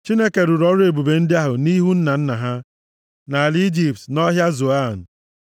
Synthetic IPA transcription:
t͡ʃi˦ne˦ke˨ɾu˨ɾɔ˦ɾʊ˦e˨bu˨be˨n̩˦dɪ˦a˦ɦʊ˨ni˦ɦu˦n̩˦na˨n̩˦na˨ɦa˦ | na˨li˦d͡ʒi˨p̚tnɔ˦ɦja˦zo˨a˦˨n̩˨

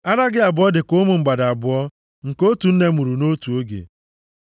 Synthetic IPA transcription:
a˦ɾa˦ɡɪ˦a˨bʊ˨˦ɔ˦dɪ˨kʊ˦mʊ˨ŋ͡m̩˨ɡ͡ba˨da˨bʊ˨ɔ˦ | ŋ̩˨ko˦tu˨n̩˦ne˦mu˨ɾu˨no˦tu˨o˦ɡḛ˨

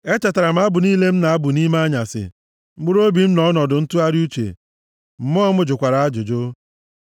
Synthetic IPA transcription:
e˦t͡ʃa˨ta˨ɾa˨m̩˦a˦bʊ˨niː˦le˦m̩˦na˨a˦bʊ˨ni˦ma˦ɲa˨sɪ̰˨ | m̩˦ɡ͡bʊ˦ɾo˦bi˨m̩˦nɔ˦nɔ˨dʊ˨n̩˦tu˦a˦ɾu˦t͡ʃḛ˨ | m̩˨mɔ˦mʊ˦d͡ʒʊ˨kʷa˨ɾa˨a˦d͡ʒʊ˨d͡ʒo˦

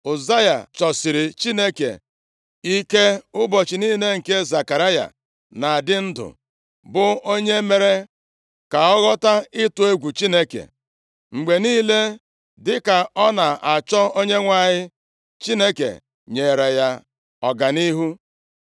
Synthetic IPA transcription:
ʊ˨za˦ja̰˨t͡ʃɔ˨sɪ˨ɾɪ˨t͡ʃi˦ne˦kḛ˨ | i˦ke˦ʊ˦bɔ˨t͡ʃɪ˨niː˦le˦ŋ̩˨ke˦za˨ka˨ɾa˦ja̰˨ | na˨dɪ˦n̩˦dʊ̰˨ | bʊ˨o˦ɲe˦me˨ɾe˦ | ka˨ɔ˦ɣɔ˦ta˦ɪ˦tʊ˨e˦ɡʷu˨t͡ʃi˦ne˦kḛ˨ | ŋ͡m̩˨ɡ͡be˨niː˦le˦ | dɪ˦ka˨ɔ˦na˨a˨t͡ʃɔ˦o˦ɲe˦ŋʷa˦˨ɲɪ˦ | t͡ʃi˦ne˦kḛ˨ | ɲe˨ɾe˨ja˦ | ɔ˨ɡa˨ni˦ɦu˦

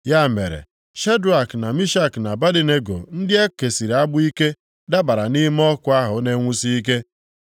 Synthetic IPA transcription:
ja˦˨me˨ɾḛ˨ | ʃe˦du˨a˨kna˨mi˦ʃa˦kna˨ba˦di˨ne˦ɡo̰˨n̩˦dɪ˦e˦ke˨si˨ɾa˦bʊ˦i˦ke˦ | da˦ba˨ɾa˨ni˦m˦ɔ˦kʊ˦a˦ɦʊ˨˦ne˦ŋʷu˦si˦i˦k̬e˦

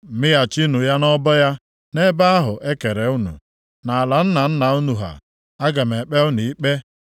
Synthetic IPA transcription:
mɪ˦ja˨t͡ʃi˦nu˨ja˦nɔ˦bɔ˦ja˦ | ne˦ba˦a˦ɦʊ˨ʔe˦ke˨ɾe˨˦u˦nṵ˨ | na˨a˨la˨n̩˦na˨n̩˦na˨u˦nu˨ɦa̰˨ | a˦ɡa˨me˨k͡pe˦ʊ˦nu˨i˦k͡pe˦

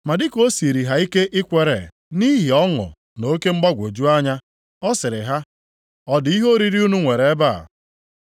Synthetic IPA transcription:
ma˨dɪ˦ko˦si˨ɾi˨ɦa˦i˦ke˦ʔɪ˦kʷe˨ɾḛ˨ | ni˦ɦi˨ɔ˦ŋʊ̰˨ | no˦ke˦ŋ͡m̩˦ɡ͡ba˦ɡʷo˨d͡ʒu˦a˦ɲa˦ | ɔ˦sɪ˨ɾɪ˨ɦa˦ | ɔ˦di˦ɦo˦ɾi˨ɾi˦u˦nu˦ŋʷe˨ɾe˨˦ba˦˨

